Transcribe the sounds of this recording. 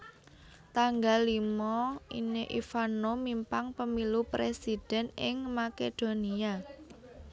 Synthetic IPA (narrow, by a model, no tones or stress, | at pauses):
t̪aŋɡalimɔineʔifanomimpaŋpəmilupɾesid̥ɛ̤nɪŋmaked̪̥o̤nia